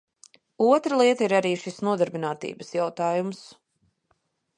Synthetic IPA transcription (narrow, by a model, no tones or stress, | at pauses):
uɔt̪ɾəlˠiɛt̪ɐiɾaɾiːʃisnuɔd̪aɾbinaːt̪ḭːbəsjawt̪aːjums